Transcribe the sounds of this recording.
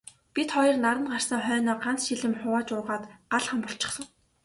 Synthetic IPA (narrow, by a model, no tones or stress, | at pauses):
pʲit̪χɔjɞ̆rnaɾə̆nɢar̥sə̆ŋχœːnɔːɢan̥t͡sʃiɮɘ̆mχʊwaːt͡ɕʊrʁaːt̪ɢaɮχămpɔɬt͡ɕɪ̆sə̆w